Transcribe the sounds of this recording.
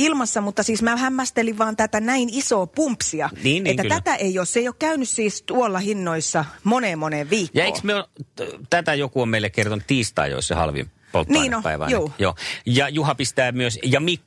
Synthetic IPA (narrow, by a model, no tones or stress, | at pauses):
ilmɑsːɑmut̪ːɑsiːsmæhæmːæst̪eliʋʋɑːnt̪æt̪ænæinisoːpumpsiɑniːnet̪ːælæt̪æʔeioːsseˑijoːkkæynyssiːst̪uolːɑhinːoisːɑmoneːmoneːʋʋiːkjɑoeḭːksmiot̪æt̪æjokuommeilːekkert̪onut̪t̪ːiːst̪ɑ̰ːjo̰isːɑ̰hɑ̰lʋḭm | po̰ltnːiːnopæ̰ˑiʋɑ̰njuːjo̰ːjɑjuhɑpist̪æːmyøsjɑmikː